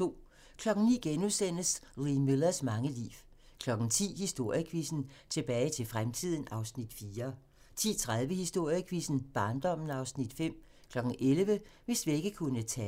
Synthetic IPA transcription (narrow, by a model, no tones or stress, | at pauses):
o̝̰ː | kʰlɒ̽ɡ̥n̩nḭːɡ̥enusen̰̥əsʁimilɐsmɑ̈ŋəlḭːw | kʰlɒ̽ɡ̥n̩t͡sʰḭːhisd̥o̝ɐ̰jəkʰʋisn̩t͡sʰe̝b̥ɛːɪt͡sʰe̝lfʁamt͡sʰið̰ˠn̩ɑ̈ʊsnid̥fiːɐ | t͡sʰḭːt͡sʰʁaðˠʋəhisd̥o̝ɐ̰jəkʰʋisn̩b̥ɑ̈ːnd̥ɒ̽m̰n̩ɑ̈ʊsnid̥fem̰ | kʰlɒ̽ɡ̥n̩ʔelʋəʋe̝sʋie̝ɡ̥əkʰunət͡sʰɛː